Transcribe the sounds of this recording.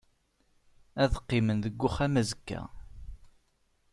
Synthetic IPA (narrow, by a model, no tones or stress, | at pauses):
æðəqːɪmənðəɡʷːʊχæmæzəkːæ̰